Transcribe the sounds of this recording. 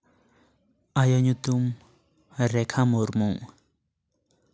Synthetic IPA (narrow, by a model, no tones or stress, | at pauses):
ajoɲut̪um | ɾekʰamoɾmuŋ